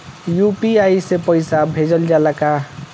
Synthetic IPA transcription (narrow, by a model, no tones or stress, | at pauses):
jupiajsepəɪsabʱed͡ʒəld͡ʒalaka